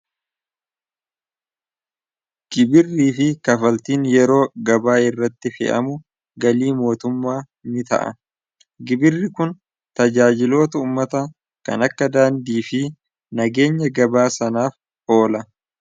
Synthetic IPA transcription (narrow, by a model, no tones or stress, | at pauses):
ɡ̥ɪbɪrːiːfɪkɐfɐlt̪iːnjɛɾo̞ːɡɐbaːɪrːɐt̪ːɪfɛ̰ʔɐ̰mʊ | ɡɐliːmo̞ːt̪ʊmːaː | nɪt̪ɐ̰ʔɐ̰ | ɡɪbɪrːɪkʊn | t̪ɐd͡ʒaːd͡ʒɪlo̞ːt̪ɐuːmːɐt̪ɐ | kɐ̰nɐkːɐd̪aːnd̪iːfɪ | nɐɡe̞ːɲːɐɡɐbaːsɐnaːf | o̞ːlɐ